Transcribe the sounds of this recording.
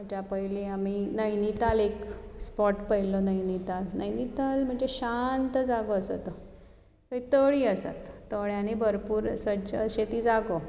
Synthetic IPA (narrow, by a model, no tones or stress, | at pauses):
ət͡ɕapəjliaminəjnit̪alekspɔʈpəjlonəjnit̪alnəjnit̪alm̤əɳd͡zeɕant̪əd͡zaɡoəsət̪ə | t̪əit̪əɭiːəsa̰t̪ːoɭjãnibʱəɾpuːɾsət͡ɕəɕet̪iːd͡zaɡo